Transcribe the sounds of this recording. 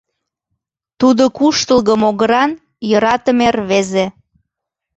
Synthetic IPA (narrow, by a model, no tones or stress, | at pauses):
t̪ud̪okuʃt̪əlɣəmoɣəɾɑn | jɤɾɑt̪əmerβeze